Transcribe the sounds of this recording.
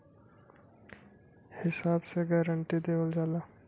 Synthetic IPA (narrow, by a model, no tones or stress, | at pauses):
hɪsaːbseɡɛːɾəɳʈid̪eːwəld͡ʒaːla